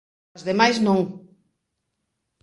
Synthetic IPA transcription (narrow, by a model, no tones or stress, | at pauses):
zðemajznõŋ